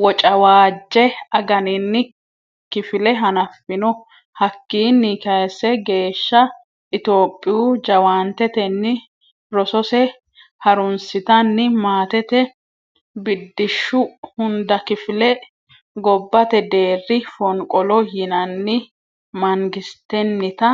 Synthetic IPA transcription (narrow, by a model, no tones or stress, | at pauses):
wɔt͡ʃʼɐwaːd͡ʒːɛɐɡɐnɪnːɪ | kɪfɪlɛɦɐnɐfːɪnɔ | hɐkːiːnːɪkɐjsːɛɡe̞ːʃːɐ | ʔɪt̪o̞ːpʼːɪjud͡ʒɐwaːnt̪ɛt̪ɛnːɪ | ɾɔsɔsɛ | hɐɾʊnsɪt̪ɐnːɪmaːt̪ɛt̪ɛ | bɪd̪ːɪʃːʊhʊnd̪ɐkɪfɪlɛ | ɡɔbːɐt̪ɛd̪e̞ːrːɪfɔŋkʼɔlɔjɪnɐnːɪ | mɐŋɡɪst̪ɛnːɪt̪ɐ